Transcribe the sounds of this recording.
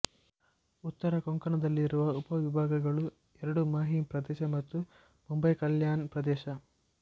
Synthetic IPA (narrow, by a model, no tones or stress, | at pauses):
ut̪ːɐɾɐkɔŋkɐɳɐd̪ɐlːiɾuʋɐupɐʋibʱaːɡɐɡɐɭu | ɛɾɐɽumaːɦipɾɐd̪ɛːʃɐmɐt̪ːu | mumbɐjkɐljaːnpɾɐd̪ɛːʃɐ